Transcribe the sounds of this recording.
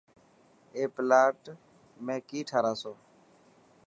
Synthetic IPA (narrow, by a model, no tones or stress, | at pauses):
eːplaːʈ | mẽːkiːʈʰaːɾaːsoː